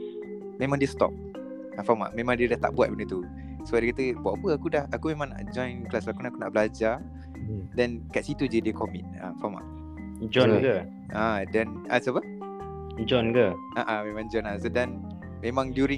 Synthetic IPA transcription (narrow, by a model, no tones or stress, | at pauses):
mẽmãŋdiəst̪ɔ̰p̚ | afɔma̰ʔmẽmãŋdiədaht̪a̰ʔbuat̚bənət̪u | səbaʔdəkat̪əbaʔpəakudahakumẽmãŋna̰ʔd͡ʒɔ̃jnklaslakunakunaʔbəlad͡ʒa | dɛnkaʔsit̪udədəkɔmɛ̃t̚a̰fɔma̰ʔ | d͡ʒɔnkə | ʔadɛn | a̰sapə | d͡ʒɔnkə | ʔaʔãmẽmãŋd͡ʒɔnasodɛ̃n | mẽmãŋdjuɾĩ